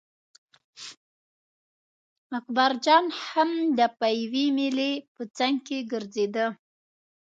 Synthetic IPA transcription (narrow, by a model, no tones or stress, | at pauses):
akbaɾd͡ʒɑnhamd̪əpajwimilepət͡saŋɡkeɡəɾzed̪ə